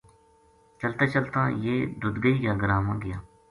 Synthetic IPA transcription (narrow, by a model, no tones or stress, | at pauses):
t͡ʃəlt̪aːt͡ʃəlt̪ã̰ːjeːd̪ʊd̪ɡəijaːɡəɾaːmãːɡɪjaː